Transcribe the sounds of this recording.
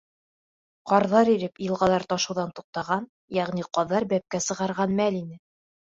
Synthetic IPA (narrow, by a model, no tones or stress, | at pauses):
qɑɾðɑɾiɾɘpjɤ̆lˠʁɑlˠɑɾt̪ɒʃɤ̆wðɑnt̪uq̚t̪ɑʁɑn | jæʁniqɑðːɑɾbæp̚kæsɤ̆ʁɑɾʁɑnmælinɘ